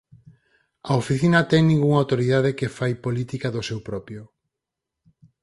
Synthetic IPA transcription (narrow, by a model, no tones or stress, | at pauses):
ɐofiθinɐt̪ɛŋnĩŋɡuŋawt̪oɾiðaðekefajpolit̪ikaðosewpɾɔpjʊ